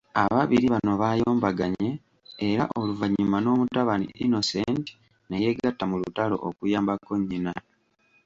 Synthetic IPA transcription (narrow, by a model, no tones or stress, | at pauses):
aβaβiɾiβano̞βaːjo̞ːmbaɡaɲe̞ː | ɾaʔo̞luvaɲimano̞ːmutaβanḭʔḭno̞senti̥ | neje̞ɡatːamulutalo̞̰ʔokujaːmbakːo̞ɲːina